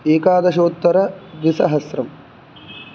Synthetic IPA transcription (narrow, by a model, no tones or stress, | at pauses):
eːkaːd̪ɐʃoːt̪ːɐɾɐʋ̪isɐɦɐsɾɐm